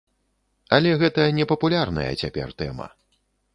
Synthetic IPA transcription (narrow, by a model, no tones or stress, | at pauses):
ɐlʲɛɣɛt̪ɐnʲɛpɐpulʲarnɐ̰jɐ̰t͡sʲapʲɛ̰rt̪ɛ̰mɐ̰